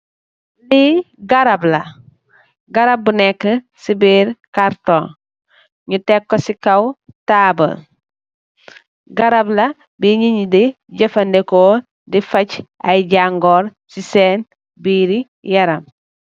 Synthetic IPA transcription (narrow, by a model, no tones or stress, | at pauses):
li | ɡaɾablɐ | ɡaɾab̚ːunɛkːə | sibiɾkaɾto | ɲutekːosikawtaːbɐ̰l | ɡaɾabla | biɲiɲdi | ɟɐfɐndekoː | difɐcʔajɟaŋɡoɾ | siseːn | biɾi | jɐɾɐm